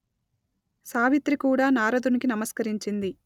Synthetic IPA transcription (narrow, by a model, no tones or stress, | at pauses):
saːʋit̪ɾikuːɽaːnaːɾɐd̪unikinɐmɐskɐɾiɲt͡ʃind̪i